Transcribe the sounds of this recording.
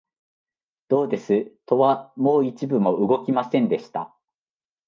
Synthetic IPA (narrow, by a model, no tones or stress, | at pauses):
d̪̥o̞ːd̪e̞sɨt̪o̞βamo̞ːit͡ɕibɯ̟mo̞ʔɯ̟ɡo̞kʲimasẽ̞nd̪e̞ɕi̥t̪a